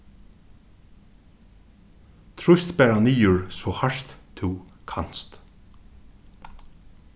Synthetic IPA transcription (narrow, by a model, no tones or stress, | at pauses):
t̪ʰɹʊst̪bæːɹaniːʊɹsɔhaʃt̪t̪ʰːukʰan̥st̪